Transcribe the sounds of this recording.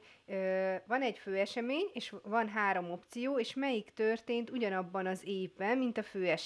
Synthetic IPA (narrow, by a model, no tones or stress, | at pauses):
øvɒnɛɟføːɛʃɛmeːɲeːʃvɒnɦaːɾo̞mo̞pt̪sijoːeːʃmɛjikt̪ørt̪eːnt̪uɟɒnɒbːɒnɒzeːvbɛnmint̪ɒføːɛʃ